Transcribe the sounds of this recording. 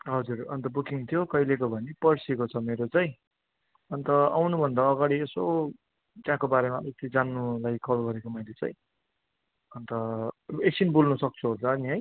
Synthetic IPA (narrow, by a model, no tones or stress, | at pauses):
ɦʌd͡zurʌnt̪ʌbukiŋt̪ʰjokʌilekobʱʌnipʌrsekot͡sʰʌmeɾot͡sʌj̃ | ʌnt̪ʌa̰wnubʱʌnd̪aːɡaɽieso | t̪jãkobaɾemaet̪id͡zanːulajkʰʌlɡʌɾekomʌjlet͡sʌ̰j̃ | ʌnt̪ʌesinbulnusʌk̚t͡sʰuɦot͡sʌːniɦʌj